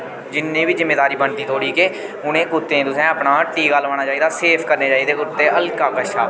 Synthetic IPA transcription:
d͡ʒɪnːẽːbiːzɪmːeːd̪aːɾiːbənt̪iːt̪ʰoːɽiːkeː | ʊnẽːkʊt̪ːẽːt̪ʊsɛ̃ːəpnaːʈiːɡaːlʋaːɽ̃aːt͡ʃaːiːd̪aːseːpʰkəɾneːd͡ʒaːiːd̪eːkʊt̪ːeːʔəlkaːkəʃa̰ː

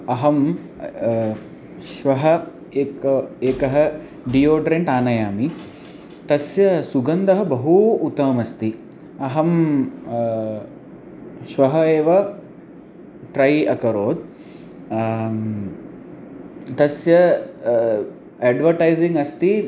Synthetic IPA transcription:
ɐɦɐm | ʃʋɐɦɐ | eːkeːkɐɦɐ̆ | ɖioːɖɾeɳʈaːnɐjaːmi | t̪ɐsjɐsuɡɐnd̪ɐɦɐbɐɦuːt̪ːɐmɐst̪i | ɐɦɐm | ʃʋɐɦɐeːʋɐ | ʈɾɐjɐkɐɾoːd̪̚ | t̪ɐsjɐ | ɛːɖʋɐɾʈajziŋɡɐst̪i

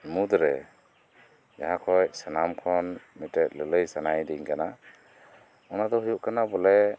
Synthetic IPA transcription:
mud̪ɾɛ | d͡ʒaɦakʰɔjsanamkʰɔnmitɛt̚lələjsanajdiŋkana | ɔnad̪ɔhujuʔkanabɔlɛ

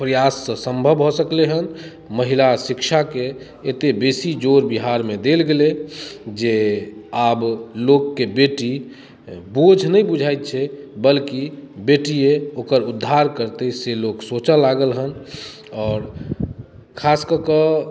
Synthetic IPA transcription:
pɾəjasːə̃sə̃mbʱəbɦosəkleɦən | məɦilasikʃʰakeː | t̪ebesid͡ʒoɾbiɦaɾmed̪elɡeled͡ʒeablokːebeʈi | bod͡ʒʱnəibud͡ʒʱajt̪̚t͡ʃʰɛbəlkibeʈieokəɾud̪ʱːaɾkəɾt̪eseloksot͡ʃalaɡəlɦən | ɔːɾ | kʰaskəkə

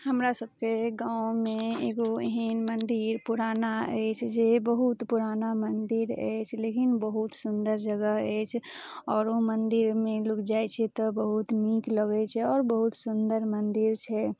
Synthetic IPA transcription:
ɦəmɾasəb̚keɡãːw̃mẽeːɡoeɦinmə̃nd̪iɾpuɾaːnaɛt͡ʃʰd͡ʒeːbəɦut̪puɾaːnamənd̪ɪɾɛ̰ːt͡ʃʰlekɪnbəɦut̪sʊnd̪əɾd͡ʒəɡəɦɛːt͡ʃʰ | ɔːɾomənd̪ɪɾmẽlʊkʰd͡ʒaːet͡ʃʰɛt̪ɔbəɦut̪miːkləɡet͡ʃʰɛɔːɾbəɦʊt̪sʊnd̪əɾmənd̪ɪɾt͡ʃʰɛ

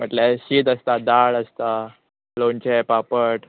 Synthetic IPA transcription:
m̤əʈleɕiːt̪əst̪ad̪aɭəst̪a | lont͡ɕepapəʈ

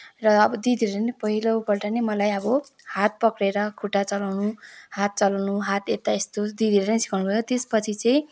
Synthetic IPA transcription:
rʌʌbʌd̪id̪ʱiɾʌɾʌnepʌɦilobʌrʈʌnemʌlajʌbʌhat̪̚pʌkɽeɾʌkʰuʈat͡sʌlawnuhat̪̚t͡sʌlawnuɦat̪et̪aest̪od̪id̪ʱiɾenisi̥kʰawnubʱʌjot̪espʌt͡sʰit͡sʌĩ

